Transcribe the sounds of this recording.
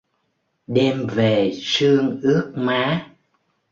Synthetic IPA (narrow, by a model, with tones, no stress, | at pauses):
ɗɛ˧mve˨˩sɨ˧əŋʔɨ˦˥ək̚maː˨˦